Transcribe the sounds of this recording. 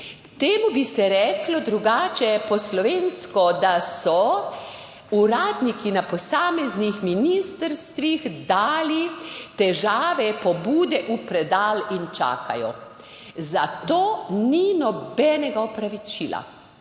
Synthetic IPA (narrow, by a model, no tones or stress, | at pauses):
t̪eːmubisɛɾɛːklɔd̪ɾuɡaːt͡ʃɛpɔslɔʋeːnskɔd̪asɔ | uɾaːd̪nikinapɔsaːmɛznixminist̪əɾst̪ʋixd̪aːlit̪ɛʒaːʋɛpɔbuːd̪ɛʔupɾɛd̪aːlint͡ʃa̰ːka̰jɔ̰ | zat̪oːninɔbɛnɛɡaɔpɾaʋit͡ʃila̰